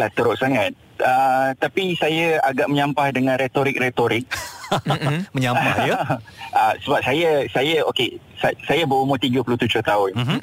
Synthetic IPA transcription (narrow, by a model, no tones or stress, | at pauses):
laht̪əɾoʔ̚saŋat̪̚ | ət̪apisajaaɡaʔməɲampahdəŋãnɾet̪oɾɪk̚ret̪oɾɪk̚ | məɲap | ʔəsəbap̚sajasajaoke | sasajabəumot̪iɡəpuluht̪ud͡ʒʊht̪aʊn